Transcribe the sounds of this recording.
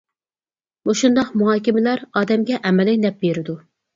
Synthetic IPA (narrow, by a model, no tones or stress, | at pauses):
moʃund̪ɑqmuɦɑːkʲɪmɪlæɾɑːd̪ɛmɡʲɛʔɛmɛlɪŋʲnɛp̚beɾɪd̪u